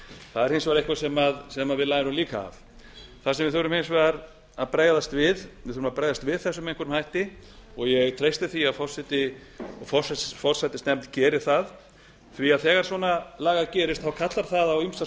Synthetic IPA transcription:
θaðɛɾhensvaɾejhkvasɛmaðsɛmaðvɪðlaːjðɪɾʏmliːka̰ːv | θasɛmvɪθœwɾʏmhensvaɾ | aðpɾaːjðast̪vɪðvɪθœɾʏmapɾajðast̪vɪðθɛsːʏmejŋ̥kʰœɾʏmhajht̪ɪɔɣjɛɣt̪ʰɾejst̪ɪθiafɔr̥sɛt̪ɪɔfɔ̥sfɔr̥sajt̪ɪ̥snɛmt̪cɛːɾɪɾ̥θað | θviaðθɛːɣaɾsvɔːnalaːɣaðcɛːɾɪst̪θawkʰat̪laɾ̥θaðawimst̪a

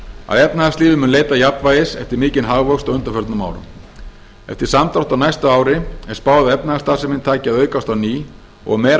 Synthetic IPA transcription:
a̰ðɛpnahasliːðɪmʏnleːjt̪ajapnvaːjɪsɛft̪ɪɾmiːcɪnɦaɣvœwkst̪ɔɣʏnt̪ḁɾfœɾt̪nʏma̰wɾʏ̰m | ɛ̰ft̪ɪ̥samt̪awht̪awnajst̪ʏaːwɾɪɛɾ̥spaːwaðʏɛpnahast̪aːsɪmɪnt̪ʰaːcɪaðœːɥkast̪awniː | ɔ̰ɣmɛːɾ

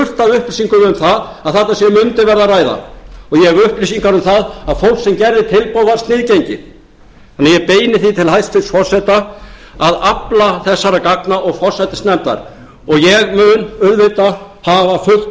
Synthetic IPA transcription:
ʏr̥t̪aðʏhplisiŋkʏʏmθaðaðθat̪asjɛmʏnt̪ɪvɛɾðaraːjða̰ɔɣjɛɣʏhplisiŋkaɾʏmθaðaðfowl̥ksɛmcɛɾðɪt̪ʰɪlpowðaɾ̥st̪nɪːðcejɲcɪ̰ | θanːɪjɛpeːjnɪθit̪ʰɪlhajst̪fɪɾ̥sfɔɾ̥sajt̪aaðaplaθɛsːaɾakaknaʔɔɣfɔɾ̥sajt̪ɪst̪nɛmt̪la̰ɾ̥ | ɔɣjɛɣmʏnʏðvɪt̪a | havafʏ̥

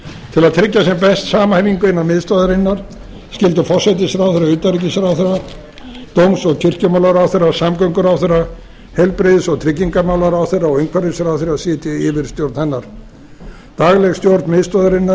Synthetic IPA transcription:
t̪ʰɪlaðt̪ʰɾɪcːasɛmpɛst̪saːmahɛviŋkʏɪnːaðmɪðst̪ɔðaɾɪnːaɾ̥ | scɪlt̪ʏfɔr̥sajt̪̬ɪsɾawθɛrːaʏːt̪aɾic̬ɪsaɾawθɛrːa | t̪owmsɔɣcʰɪr̥cʏmawlaɾawθerːasamkœŋkʏɾawθejrːa | hɛlpɾɪðɪsɔɣt̪ʰɾɪcːiŋkamawlaɾawθejrːaɔɣejŋkʰvaɾɪsaɾawθeɾrasɪːt̪ɪɪvɪɾ̥st̪jowɾt̪nhɛnːaɾ̥ | t̪aɣlɛɣst̪jowɾt̪nmɪðst̪ɔðaɾɪnːa

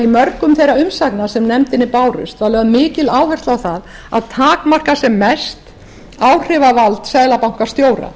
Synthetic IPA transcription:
imœɾkʏmθejɾaʏmsaknasɛmnɛmt̪ɪnːɪpaːwɾʏ̰st̪vaɾlɛɣaðmɪːcɪlaːwhɛr̥t̪awθað | a̰ðt̪ʰaːkmar̥kasɛmːɛst̪ | aːwr̥ɪvavalt̪saðlapawŋ̥kḁst̪joːwɾa̰

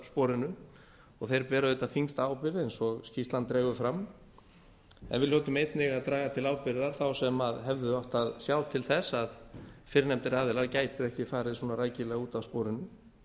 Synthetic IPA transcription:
spɔːɾɪnʏ | ɔɣθejɾpɛːɾaðʏːt̪afiŋst̪aaːwpɪɾðɪejnsɔɣscist̪lant̪ːɾɛːɣʏfɾam | ɛ̰nvɪlœːt̪ʏmejt̪nɪɣaðt̪ɾaːɣat̪ʰɪlaːwpɪɾðaɾ̥θawsɛmaðɦɛvðʏɔht̪aðsjawt̪ʰɪlθɛsaðfɪɾɪnɛmt̪ɪɾaːðɪlaɾcaːjt̪ʏɛhcɪfaːɾɪðɪsuːnaɾaːjcɪlɛɣuːt̪awspɔːɾɪnʏ

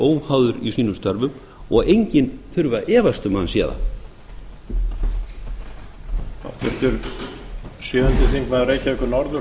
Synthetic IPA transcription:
oːwhawðʏɾisiːnʏmst̪œɾvʏm | ɔɣejɲcɪnθʏɾvaʔɛːvast̪ʏmanːsjɛːða̰ | a̰ft̪ɛft̪ʏɾ | sjœːðʏnt̪ɪθiŋkvaðʏɾejhcaɛkʏɾnɔɾðʏ

